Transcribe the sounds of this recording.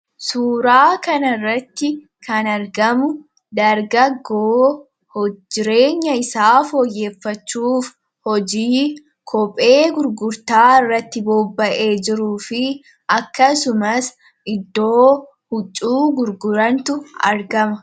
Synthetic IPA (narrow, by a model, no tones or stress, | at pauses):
suːɾaːkɐnɐrːɐt̪ːɪ | kɐnɐɾɡɐmʊ | d̪ɐɾɡɐɡːoː | hɔd͡ʒːɪɾe̞ːɲːɐɪsaːfoːjːe̞ːfːɐt͡ʃːuːf | hɔd͡ʒiː | kʰɔpʼe̞ːɡʊɾɡʊɾt̪aːɪrːɐt̪ːɪboːbːɐʔe̞ːd͡ʒɪɾuːfɪ | ɐkːɐsʊmɐs | ʔɪd̪ːo̞ː | hʊt͡ʃʼːuːɡʊɾɡʊɾɐnt̪ʊɐ̰ɾɡɐmɐ